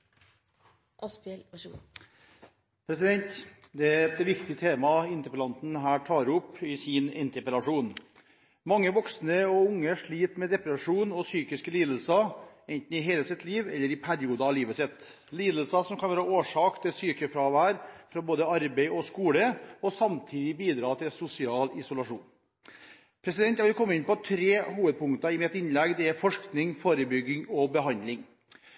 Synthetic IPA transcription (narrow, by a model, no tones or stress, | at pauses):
ʔɑspɛl | pʰɾɛsɪd̪ɛnt̪ | d̪ɛæɛt̪ʋɪkt̪ɪt̪ʰeːmɑɪnt̪əpəlɑnt̪n̩ɦæːʈʰɑːɾʊpːɪsɪnɪnt̪əpəlɑʂuːn | mɑŋːəʋɔksnəɔʊŋːəʂɭiːt̪mɛd̪ɛpɾəʂuːnɔsyːkɪskəliːd̪l̩sɑɛɪnt̪n̩ɪɦeːləsɪt̪liːʋɛ̰lːəɾɪpʰæɾɪuːd̪ɑɑʋliːʋəsɛt̪ | liːd̪əlsɑsɔmkʰɑnʋæːɾɑoːʂɑːkt̪ʰɪlsyːkəfɾɑʋæːɾfɾɑboːd̪əɑɾbeɪɔskuːləɔsɑmt̪ʰiːd̪ɪbiːd̪ɾɑːt̪ʰɪlsʊsɪɑːlɪsʊlɑʂṵːn | pʰɾɛsɪd̪ɛnt̪jɑʋɪlkʰɔmːəɪnpɔt̪ʰɾeːhuːʋəd̪̚pʰʊŋkt̪ɑɪmɪt̪ɪnlɛɡd̪ɛæɾfɔʂknɪŋfoːɾəbʏɡɪŋɔbəɦɑnd̪lɪŋ